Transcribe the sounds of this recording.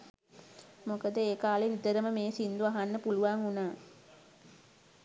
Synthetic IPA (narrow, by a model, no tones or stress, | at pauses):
mokəd̪əeːkaːlenid̪əɾəməmeːsind̪uaɦanːəpuluʋaŋunaː